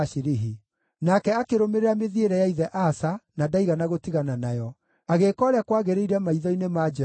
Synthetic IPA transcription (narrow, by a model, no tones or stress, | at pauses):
ʃiɾiɦi | nakɛakeɾomeɾeameðieɾɛjaiðɛʔasanadaiɣanaɣotiɣananajɔ | aɣekɔːɾeakwaːɣeɾeiɾɛmaiðɔinemad͡ʒɛ